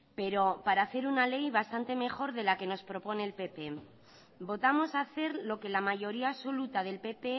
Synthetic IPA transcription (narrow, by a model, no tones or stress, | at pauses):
pe̞ɾo̞paɾaːθe̞ɾunale̞jβast̪ant̪e̞me̞xo̞ɾðe̞lake̞no̞spɾo̞po̞ne̞ːlpe̞pe̞ | bo̞t̪amo̞saθe̞ɾlo̞ke̞lamaʝo̞ɾiaːso̞lut̪aðe̞lpe̞pe̞